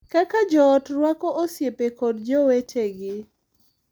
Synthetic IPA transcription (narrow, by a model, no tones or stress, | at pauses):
kakad͡ʒɔːtɾwakɔʔosjepekɔdd͡ʒowetʰeɡɪ